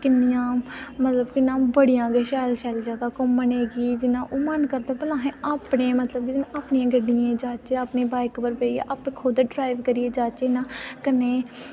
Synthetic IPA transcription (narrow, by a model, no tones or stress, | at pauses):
kɪnːɪjãːmət̪ləbkɪnãːbəɽɪjãːɡeːʃɛːlʃaːlzjaːd̪aːkʊmːəneːɡiːd͡ʒɪnãːʔoːmənkəɾd̪eːpəlãːɦẽːʔaːpɳẽːmət̪ləb̚kid͡ʒɪnãːaːpniːãːɡəɖiẽːd͡ʒaːt͡ʃeaːpneːbaːɪkpəɾpeːiḛːʔaːpẽːkʰoːd̪ɖɾaːɪʋkəɾiːeːd͡ʒaːt͡ʃeːnãːkəneː